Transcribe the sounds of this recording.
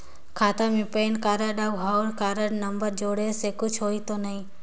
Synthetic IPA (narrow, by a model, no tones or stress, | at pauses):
kʰaːt̪amẽpeːnkaːɾəɗaːɦaːɾkaːɾəɽnɐmbəɾd͡ʒoːɽesekʊd͡ʒʰʱɦoːit̪onɐɦĩː